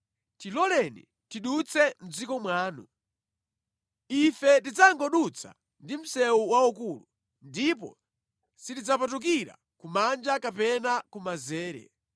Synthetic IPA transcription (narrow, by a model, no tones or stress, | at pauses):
tilɔlɛnḭ | tiɗut͡sʰɛm̩d͡zikɔmwaːnu | ifɛtid͡zaŋɡɔɗut͡sʰa̰ | ndim̩sɛuwaukulu | ndipɔ̰ | sitid͡zapat̬uk̬iɾa̰ | kumand͡ʒakapɛnakumazɛːɾɛ̰